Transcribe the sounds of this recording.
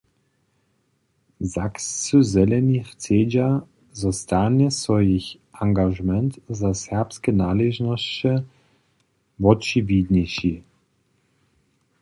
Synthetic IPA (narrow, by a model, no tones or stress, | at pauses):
zakst͡suzɛlɛnʲixt͡seːd͡ʑa | zɔst̪anɛsvɔjix | ʔaŋɡaʒmɛnt̪zasɛʁpskɛnaːlɛʒnɔst͡ɕɛ | vɔt͡ʃivʲid̪ɲɛʃi